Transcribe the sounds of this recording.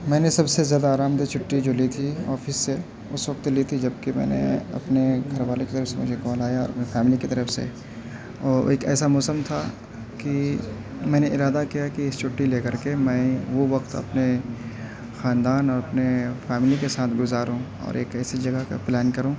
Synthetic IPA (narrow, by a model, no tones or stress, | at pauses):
mɛ̃ːnesɐbsezjaːd̪aːɾaːmd̪et͡ʃʰʊʈːid͡ʒoːlit̪ʰiɔ̰ːfɪsːe | ʊsʋɐqt̪lit̪ʰid͡ʒɐbkemɛ̰̃ːnḛɐ̰pneɡʱɐɾʋaːlekit̪ɐɾəfsemʊd͡ʒʱekɔːlaːjaɔːɾɐpnefɛːmɪlikit̪ɐɾəfsḛ | ɔːɾeːkɛ̰ːsamɔːsəmt̪ʰa | ki | mɛ̃ːneɪɾaːd̪akijakiɪst͡ʃʰʊʈːileːkɐɾkemɛ̃ːʋoʋɐqt̪ɐ̰pne | xaːnd̪aːnɔːɾɐpnefɛːmɪlikesaːt̪ʰɡʊzaːɾũ | ɔ̰ːɾeːkɛːsid͡ʒɐɡaka̰plɛːnkɐɾũː